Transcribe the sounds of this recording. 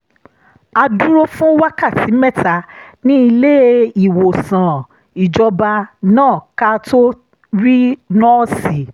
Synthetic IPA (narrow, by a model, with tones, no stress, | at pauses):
a˧du˦ɾo˦fũ˦wa˦ka˦˨tʰi˨˦mɛ˦˨ta˨˦nĩ˦i˧le˦i˨wo˨sã˨ | i˨d͡ʒɔ˧ba˧nãː˦˨ka˧to˦ | ɾi˦nɔ̃˦si˨˦